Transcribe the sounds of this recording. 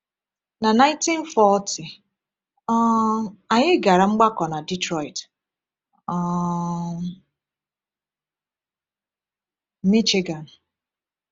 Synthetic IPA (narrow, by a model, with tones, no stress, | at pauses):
na˨na˦ɪ̃˦nti˦n̩˦fɔ˦ti˨ | ɔ˦a˨ɲɪ˦ɡa˨ɾa˨ŋ͡m̩˦ɡ͡ba˦kɔ˨na˨di˦tɾɔ˨i˨t | ɔ˦ | mi˦t͡ʃe˦ɡa˨n̩˨